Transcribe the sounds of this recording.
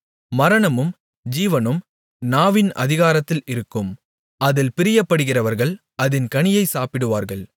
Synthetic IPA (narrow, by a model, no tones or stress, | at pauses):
mɐɾɐɳɐmɯm | d͡ʒiːʋɐnɯm | naːʋɪnɐ̰ðɪɣaːɾɐt̪ːɪlɪɾɯkːɯm | ɐðɪlpɪɾɪjɐpːɐɽɯɣɪrɐʋɐɾɣɐɭ | ɐðɪnkɐɳɪjɐɪsaːpɪɽɯʋaːɾɣɐɭ